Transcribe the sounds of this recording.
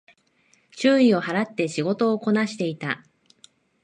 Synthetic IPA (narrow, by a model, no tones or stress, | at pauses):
t͡ɕɨːio̞haɾat̪ːe̞ɕiɡo̞t̪o̞ːko̞naɕi̥t̪e̞it̪a̰